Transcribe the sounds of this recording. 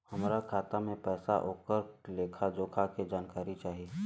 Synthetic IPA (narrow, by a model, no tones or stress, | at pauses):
hɐmɾakʰaːt̪amẽpɛːsa̰ʔoːkəɾleːkʰad͡ʒoːkʰaked͡ʒaːnkaːɾit͡ʃaːɦie